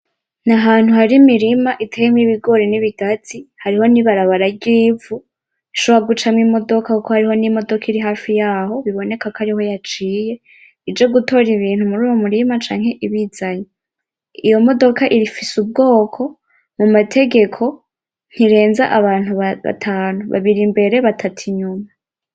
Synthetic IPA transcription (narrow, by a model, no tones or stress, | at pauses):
naɦaːn̥huhaɾimiɾimaʔitʰejemŋiβiɡo̞ːɾeniβiɡ̥atʰihaɾiho̞niβaɾaβaɾaɟiːvu | iʃoβoaɡut͡ʃamŋiːmo̞do̞kakuko̞haɾiɦo̞nimo̞do̞kʰiɾiɦaːfijaːho̞βiβo̞ne̞kakaɾiho̞jat͡ʃiːje̞ | id͡ʒe̞ɡutʰo̞ɾiβiːn̥humuɾuːjomuɾimat͡ʃa̰ːŋhe̞ʔiβiːz̥aɲo | ijo̞mo̞do̞kaʔiɾifisub̚ɡo̞ːkʰo̞ | mumatʰe̞ɡe̞kʰo̞ | n̥hiɾe̞ːnzaʔaβaːn̥huβaβa̰tʰaːnuβa̰βiɾimbe̞ɾe̞βatʰatʰiɲuma